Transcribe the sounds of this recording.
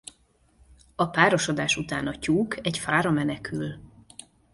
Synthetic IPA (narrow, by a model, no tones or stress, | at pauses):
ɒpaːɾoʃod̪aːʃut̪aːnɒcuːkʰɛcfaːɾɒmɛnɛkʰyl